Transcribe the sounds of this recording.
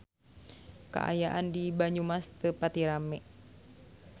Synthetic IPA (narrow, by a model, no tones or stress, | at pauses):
ka̰ʔa̰jaʔandibaɲumast̪əpat̪iɾamɛʔ